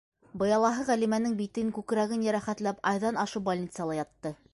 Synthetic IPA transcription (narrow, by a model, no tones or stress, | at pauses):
bɤ̆jɑlˠɑɦɤʁælimænɘŋbit̪ɘŋkʉkɾæɣɘnjæɾæχæt̪læpɑjðɑnɑʃɤwbolʲnʲit̪sɨjɑlˠɑjɑt̪ːɤ